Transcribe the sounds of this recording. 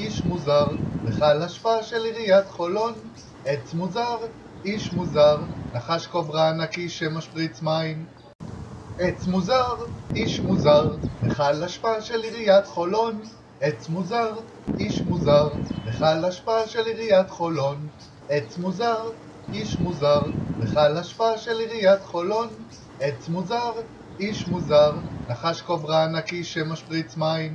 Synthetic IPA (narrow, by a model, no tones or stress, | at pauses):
iʃmuzaʁveχalaʃpaaʃeliʁijatχo̞lo̞n | ʔet͡smuzaʁ | iʃmuzaʁnaχaʃkovʁaːnakiʃemaʃpʁit͡smaim | ʔet͡smuzaʁiʃmuzaʁveχalaʃpaaʃe̞liʁijaχo̞lo̞n | ʔet͡smuzaʁ | iʃmuzaʁveχalaʃpaaʃe̞liʁijat̪χolo̞n | ʔet͡smuzaʁ | iʃmuzaʁveχalaʃpaaʃeliʁijat̪χo̞lo̞n | ʔet͡smuzaʁ | iʃmuzaʁnaχaʃkovʁaːnakiʃemaʃpʁit͡smaim